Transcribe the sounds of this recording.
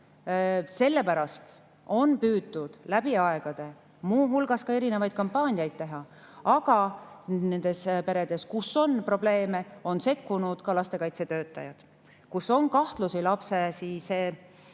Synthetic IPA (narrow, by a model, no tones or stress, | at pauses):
se̞lːe̞pæɾɑst̪ | o̞npyːd̪ːud̪̥læb̥iɑeɡ̥ɑd̪̥e̞ | muːɦulɡ̥ɑskɑe̞ɾine̞vɑjd̥̪̚kɑmpːɑːnʲiɑjd̪̥̚t̪e̞ɦɑ | ɑɡ̥ɑne̞nd̪̥e̞spe̞ɾed̪̥e̞skusːo̞npro̞ble̞ːme̞o̞nse̞kːunud̪̥kɑlɑst̪e̞kɑjt̪se̞t̪ø̞ːt̪ːˑɑ̰jɑd̪̥ | kuso̞nkɑht̪lusilɑpsesiːseː